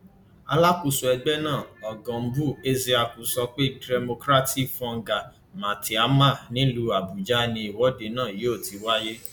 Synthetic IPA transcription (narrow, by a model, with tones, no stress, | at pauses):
a˧la˦ku˧su˨ɛ˧ɡ͡bɛ˦nãː˦˨ɔ˨ɡã˨m̩˦bu˦˨e˦zi˧a˧ku˨sɔ˧k͡pe˦dɛ˧mo˧kɾa˦ti˦fɔ̃˧ŋ˦ɡa˨ | mã˨ti˨a˨˦ma˦˨nĩ˦lu˧a˨bu˨d͡ʒa˦nĩ˧i˨wɔ˨˦de˧nãː˦˨je˨˦o˦˨ti˨˦wa˦je˦